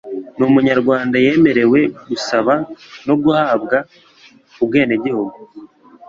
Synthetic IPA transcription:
numuɲaɾɡwaːndaje̞ːme̞ɾe̞we̞ɡusaβano̞ɡuhaːbɡa | kubɡe̞ːneɟihuɡu

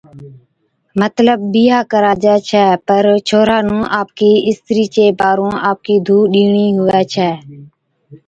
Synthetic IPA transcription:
mət̪ləbːɪjaːkəɾaːd͡ʒɛːt͡ʃʰɛːpəɾt͡ʃʰoːɾaːnũːʔaːp̚kiːɪst̪ɾiːt͡ʃeːbaːɾũːaːp̚kiːd̪ʱuːɗiːɳiːɦʊʋɛːt͡ʃʰɛː

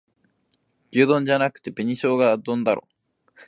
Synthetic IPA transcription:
ɡ̥ʲɨːd̪õɲ̟d͡ʑanakɯ̥t̪e̞be̞ɲ̟iɕo̞ːɡad̪õ̞nd̪aɾo̰

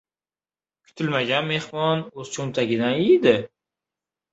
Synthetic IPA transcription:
kʲʰʊ̥t̪ʰɪlmaɡʲanme̞hmɒnɵz̥t͡ʃʰomt̪ʰaɡʲɪd̪anijd̪ɪ

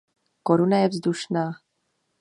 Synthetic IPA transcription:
ko̞ɾunajɛvzduʃnaː

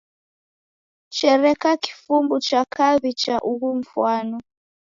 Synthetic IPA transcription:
t͡ʃɛɾɛkaki̥fumbut͡ʃakʰaðit͡ʃaʔuɣum̩fwanɔ

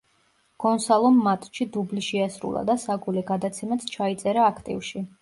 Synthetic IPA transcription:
ɡ̥ɔnsalˠɔmːat̪ʼʃid̪ubliʃɛasɾṵlˠa̰d̪asaɡulɛɡad̪at̪sʰɛmat̪sʰt͡ʃʰait̪sʼɛɾaːkʰt̪ʼḭvʃi

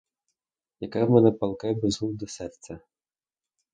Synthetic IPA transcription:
jakamɛnɐpɐlˠkabɛzumd̪ɔsɛrt̪sɐ

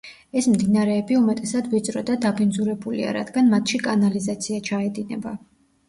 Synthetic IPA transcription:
ɛsmd̪inaɾɛːbiumɛt̪ʼɛsad̪vɛt̪sʼɾɔd̪ad̪apinzuɾɛbulḭa̰ɾa̰d̪ɡanmat̪ʃikʼanalizat̪sʰiat͡ʃʰaɛd̪inɛ̰ba

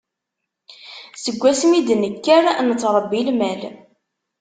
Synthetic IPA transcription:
səɡʷːæsmid̪nəkːəɾnət͡sːɾˤəbːilmæl

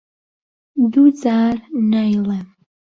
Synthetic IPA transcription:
dud͡zaːrnajlɛ

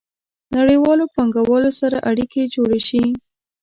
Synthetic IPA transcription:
naɽəjwɑlopɑŋɡawɑlosaɾa̰ʔaɽiked͡ʒoɽeʃi

